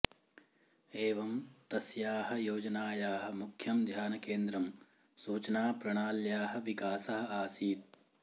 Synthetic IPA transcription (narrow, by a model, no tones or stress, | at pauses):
eːʋɐmt̪ɐsjaːɦɐ̆joːd͡ʒɐnaːjaːɦɐ̆mukʰjɐmd̪ʱjaːnɐkeːnd̪ɾɐm | suːt͡ʃɐnaːpɾɐɳaːljaːɦɐ̆ʋikaːsɐɦɐ̆aːsiːt̪̚